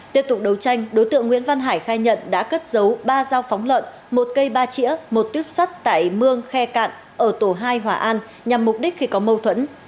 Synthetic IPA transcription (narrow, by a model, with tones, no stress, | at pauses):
t̪i˦˥əp̚t̪ʊ˨˩k͡p̚ɗə˨˦wt͡ɕa˧jŋ̟ɗo˨˦jt̪ɨ̰˧˨əŋːw̰i˧˥ənva˧nɦaː˧˩jxaː˧jɲə̰˧˨nɗa̰ː˧˥kə˦˥t̚zə˨˦wɓaː˧zaː˧wfɔ˨˦wŋ͡mlwə̰˧˨n | mo˨˩t̚kə˧jɓaː˧t͡ɕḭ˧˥əmo˨˩t̚t̪wi˦˥əp̚swa˦˥jk̚t̪a̰ː˧˨jmɨ˧əŋxɛ˧ka̰ː˧˨n | ʔəː˧˩t̪o˧˩ɦaː˧jɦwaː˨˧˩ʔaː˧n | ɲa˨˩mːʊ˨˩p̚ɗi˦˥k̟̚xi˧kɔ˨˦mə˧wt̪ʰwə̰˧˥n